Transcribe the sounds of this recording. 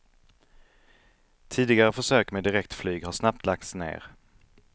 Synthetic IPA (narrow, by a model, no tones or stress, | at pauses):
t̪ʰiːd̪ɪɡaɾəfœʂøːkmeːd̪ɪɾɛk̚t̪flyːɡhaʂnap̚t̪ʰlak̚t̪snḛːɾ